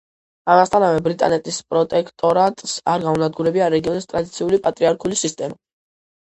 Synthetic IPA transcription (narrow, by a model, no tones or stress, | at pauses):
amast̪ʰanavɛbɾit̪ʼa̰nɛt̪ʼispʼɾɔt̪ʼɛkʰt̪ʼɔɾat̪ʼsaɾɡaunad̪̚ɡuɾɛbiaɾɛɡiɔnist̪ʼɾad̪it̪sʰiulipʼat̪ʼɾiaɾkʰulisist̪ʼɛma